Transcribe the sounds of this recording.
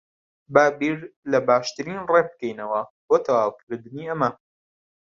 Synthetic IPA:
baːbiːɾlɐbaːʃt̪ɨɾiːnreb̚kɛjnɐwɐboːt̪ʰɐwaːlˠkʰɨɾd̪ɨniːʔɐmɐ

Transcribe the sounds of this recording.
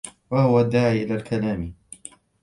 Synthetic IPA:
wahʊwad̪ːaːʕʔɪlaːlkʰalaːmi

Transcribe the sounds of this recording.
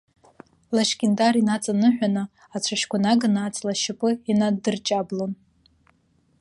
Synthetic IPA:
laʃkʲʼɪndarinat͡sʼanɨħʷᶣanɨ | at͡ɕʷʰaʃkʷʰanaɡanaːt͡sʼlaʃɪpʼɨinadɨrt͡ʃʼablon

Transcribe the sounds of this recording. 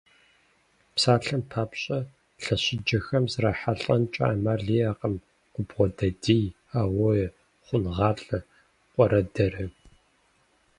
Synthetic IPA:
psaːɬɐmpʰaːpɕʼɐ | ɬɐɕɪd͡ʒɐxɐmzraːħaɬʼɐnt͡ʃʼa̰ːmarɮiːaːqəm | qʷʊbʁʷɔdɐdiːj | aːwɔjɛ | χʷʊnʁɑːɬʼɐ | qʷʼɔɾɐdɐrɐ

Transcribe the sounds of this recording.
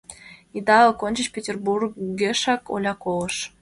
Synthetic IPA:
id̪ɑkonʲt͡ɕət͡ɕpʲetʲerburɡeʃɑko̰lʲɑkoləʃ

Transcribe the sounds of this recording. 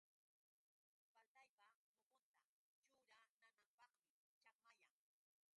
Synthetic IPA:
palt̪ajpamopont̪a | t͡ʃʊɾananampɑχmɪ | t͡ʃapajaŋ

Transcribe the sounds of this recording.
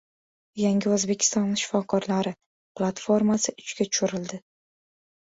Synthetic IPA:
jaŋɡʲɪɵzbe̞kʲʰɪ̥st̪ɒnːɪʃɪ̥fɒkʰɒɾlaɾɪ | plˠat̪fo̞ɾmasɪʔʊt͡ʃɡʲat͡ʃʰʊ̥ʃʊɾɪld̪ɪ

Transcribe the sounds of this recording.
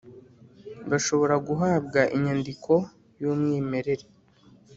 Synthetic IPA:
ɡaʃo̞βo̞ɾaɡuɦaːbɡaʔiɲandikʰo̞ | juːmŋiːme̞ɾe̞ɾe

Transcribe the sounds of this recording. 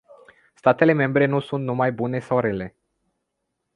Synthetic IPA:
st̪at̪e̞le̞me̞mbɾe̞nusunt̪numajbune̞sawɾe̞le̞

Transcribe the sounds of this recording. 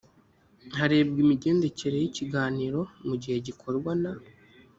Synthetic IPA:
haɾe̞ːbɡimiɟe̞ːnde̞ce̞ɾe̞jiciɡaːniːɾo̞muɟihe̞ɟikʰo̞ɾɡwana

